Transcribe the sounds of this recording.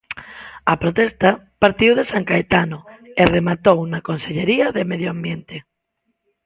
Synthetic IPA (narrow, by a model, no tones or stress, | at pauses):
ɐpɾot̪ɛst̪a | paɾt̪iwðesaŋkaet̪anoeremat̪ownakonseʎeɾiɐðemeðjoambjent̪e